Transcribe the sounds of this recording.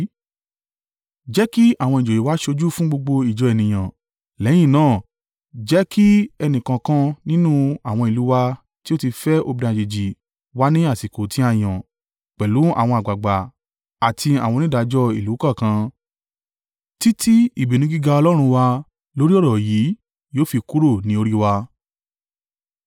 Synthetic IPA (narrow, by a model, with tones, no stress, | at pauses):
d͡ʒɛ˦ki˦a˦˨w̃ɔ̃˧ĩ˨d͡ʒo˨je˨˦wa˦ʃo˧d͡ʒu˦fũ˦ɡ͡bo˧ɡ͡bo˧i˨d͡ʒɔ˨ɛ˨nĩ˨j̃ã˨ | lɛ̃˨˦ĩ˦˨nãː˦˨ | d͡ʒɛ˨˦ki˦ɛ˧nĩ˨kã˧kã˦nĩ˦nũ˦a˨w̃ɔ̃˧i˨lu˨˦wa˧ | ti˦o˦ti˧fɛ˦o˧bi˧nã˧˨d͡ʒe˨d͡ʒi˨ | wa˦nĩ˦a˦˨si˨ko˨tĩ˦a˧j̃ã˨ | k͡pɛ˨lu˨˦a̰˦˨w̃ɔ̃˧a˨ɡ͡ba˨ɡ͡ba˨ | a˨tʰi˧a˨w̃ɔ̃˧nĩ˦da˨˧d͡ʒɔ˧˦i˨lu˨˦kã˦˨kã˧ | ti˦tʰi˦i˦˨bi˨nĩ˧˦ɡi˦ɡa˧ɔ˧lɔ˦ɾ̃ũ˧wa˧ | lo˦ɾi˦ɔ˦˨ɾɔ˨ji˨˦ | joː˦fi˧ku˦ɾo˦˨nĩ˦o˧ɾi˦wa˧